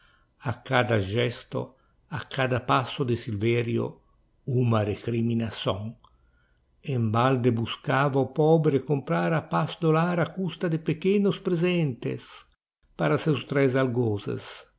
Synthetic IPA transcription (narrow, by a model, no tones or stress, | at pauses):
akːad̪aʒɛst̪o̰ | akʰːad̪apasːod̪ɪsilvɛɾjo̰ | umarekɾiminasɔŋ | embald̪ebuskaːvaopɔːbɾekompɾaɾapasd̪olaːɾakust̪ad̪ɪpekenʊspɾezɛnt̪ḛs | paɾasɛwst̪ɾɛzalɡɔːzḛs